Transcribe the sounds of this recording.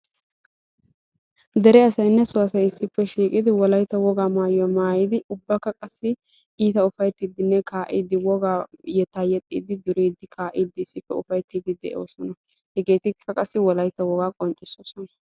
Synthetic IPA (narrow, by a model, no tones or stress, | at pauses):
d̪ɛɾɛɐsɐjnːɛsʊwɐsɐjɪsːɪpːɛʃiːkʼɪd̪ɪwɔlɐjt̪ːɐwɔɡaːmaːjʊɐmaːjɪd̪ɪʊbːɐkːɐkʼɐsːɪ | iːt̪ɐʊfɐjt̪ːiːd̪ɪnːɛkaːʔḭːd̪ɪwɔɡaːjɛt̪ːaːjɛt̪ʼːḭːd̪ɪd̪ʊɾiːd̪ːɪkʰaːʔiːd̪ɪɪsːɪpːɛʊfɐjt̪ːiːd̪ɪd̪ɛ̰ʔoːsɔnɐ | hɛɡe̞ːt̪ɪkʰːɐkʼɐsːɪwɔlɐjt̪ːɐwɔɡaːkʼɔnt͡ʃʼɪsoːsɔnɐ